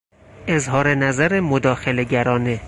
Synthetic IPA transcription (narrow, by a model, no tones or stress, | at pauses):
ezɦɒːɾenæzæɾemod̪ɒːxele̞ɟæɾɒːne